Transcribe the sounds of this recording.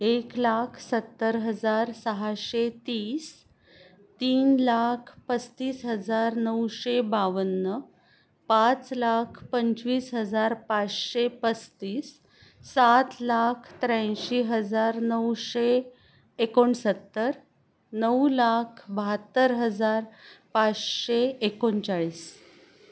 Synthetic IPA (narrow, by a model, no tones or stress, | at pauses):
eklakʰsət̪ːəɾɦəd͡zaɾsəɦaɕet̪iːs | t̪iːnlakʰpət͡st̪iːsɦəd͡zaɾnəwɕebaʋənːə | pat͡slakʰpəɲt͡sʋiːsɦəd͡zaɾpat͡sɕepət͡st̪iːsː | at̪lakʰt̪ɾə̃ɕiːɦəd͡zaɾnəwɕeː | koɳsət̪ːəɾ | nəwlakʰbəɦat̪ːəɾɦəd͡zaɾpat͡sɕeekoɳt͡saɭiːs